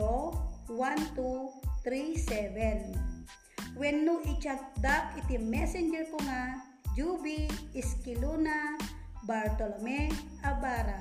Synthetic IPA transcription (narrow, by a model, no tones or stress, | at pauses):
owant̪ut̪ɾisɛvɛn | wɛnːʊʔɪt͡ʃat̚d̪akɪt̪imɛsɛnd͡ʒɛɾkʊŋa | d͡ʒubiːskɪlona | baɾt̪olomɛ | abaːɾa